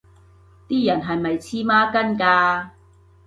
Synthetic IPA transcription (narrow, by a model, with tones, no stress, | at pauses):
t̪iː˥jɐ˨˩nɦɐ˨jmɐ˨jt͡sʰiː˥maː˥kɐ˥nkaː˧